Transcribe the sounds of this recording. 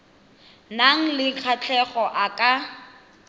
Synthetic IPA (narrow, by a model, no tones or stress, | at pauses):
naŋ̩lɪk͡xʰat͡ɬʰɛχɔʔakʼa